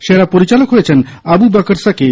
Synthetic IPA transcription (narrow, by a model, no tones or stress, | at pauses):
ʃeɾapoɾit͡ɕalokɦojet͡ɕʰen | abubakəɾsake